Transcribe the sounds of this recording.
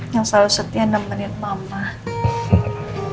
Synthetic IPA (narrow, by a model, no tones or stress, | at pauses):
jaŋsalusət̪ianamːənɪt̪̚mama